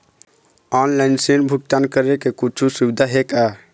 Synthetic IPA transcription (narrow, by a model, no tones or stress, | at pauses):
anlaɪnsenbʱuk̚ʈ̪ankəɾekekut͡ʃʰusiwd̪ʱaɦeka